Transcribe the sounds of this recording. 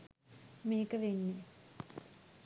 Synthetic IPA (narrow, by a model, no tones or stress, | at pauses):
miːkɐʋenːi